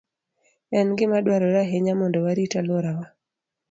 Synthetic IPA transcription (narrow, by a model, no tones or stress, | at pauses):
ɛnɡɪmaɗwaɾɔɾaɦeɲamɔndɔwaɾitaloɾawa